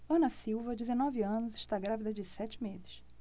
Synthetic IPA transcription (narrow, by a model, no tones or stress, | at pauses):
ɐ̃nɐsiwvɐd͡ʒɪzenɔvɪɐ̃nʊzɪʃt̪aɡɾavid̪ɐd͡ʒɪsɛt͡ʃɪ̥mezɪʃ